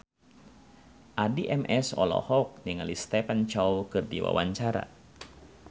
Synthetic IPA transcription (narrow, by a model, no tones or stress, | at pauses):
ʔadiʔɛmʔɛsɔ̰lɔ̰hɔk̚niŋalist̪ɛpant͡ʃawkɨrdiwa̰waɲt͡ʃaɾa̰